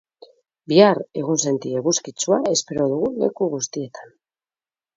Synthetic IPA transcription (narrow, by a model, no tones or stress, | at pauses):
biaɾe̞ɣ̞unse̞nt̪ieɣuskit͡suae̞spe̞ɾo̞ðuɣ̞ule̞̰kuɣ̞ust̪ie̞t̪ḁn